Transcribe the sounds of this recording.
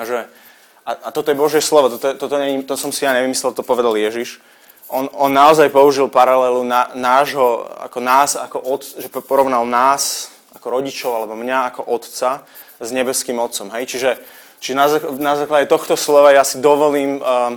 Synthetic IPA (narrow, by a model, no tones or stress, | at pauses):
aʒɛ | aat̪ɔt̪ɔjɛbɔʒɪɛslɔʋɔt̪ɔt̪ɔɛt̪ɔt̪ɔɲɛɲit̪ɔsɔmsijaɲɛʋimislɛlt̪ɔt̪ɔpɔʋɛd̪aljɛʒiʃ | ʔɔnɔnːaɔzajpɔuʒilpaɾalɛlunanaːʒɦɔa̰kɔnaːzakɔʔɔt̪ʒɛppɔɾɔʋʊnalnaːs | akɔɾɔɟit͡ʃɔʊalɛbɔmɲaakɔʔɔt̪t͡sa | zɲɛbɛskiːmɔt̪t͡sɔmɦɛjt͡ʃiʒɛ | t͡ʃiʒɛnazanazaːklaɟɛt̪ɔxt̪ɔslɔʋajasid̪ɔʋɔliːmː